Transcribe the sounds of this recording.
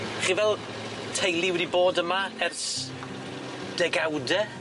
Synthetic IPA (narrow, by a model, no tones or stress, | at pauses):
χiːvɛlˠ | tʰejlˠiwɛdiboːdəmaɛrs | d̥ɛɡawdɛ